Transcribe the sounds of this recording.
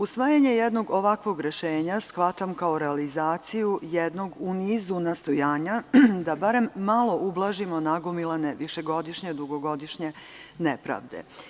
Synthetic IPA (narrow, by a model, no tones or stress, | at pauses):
usʋaːjaɲe̞jed̪no̞ɡo̞ʋakʋo̞ɡɾe̞ʃe̞ːɲasxʋat̪amkao̞ɾealizaːt̪sijujed̪no̞ɡuniːzunast̪ojaːɲad̪abaɾe̞mːalˠo̞ʔublˠaʒimo̞naɡomilˠane̞ʋiʃe̞ɡo̞d̪iʃɲe̞d̪uɡo̞ɡo̞d̪iʃɲe̞ | nepɾa̰ʋd̪ḛ